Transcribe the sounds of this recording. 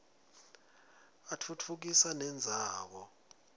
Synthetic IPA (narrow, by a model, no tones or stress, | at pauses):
atʰutʰuk̬isanɛnd͡zʱaːk̬ɔ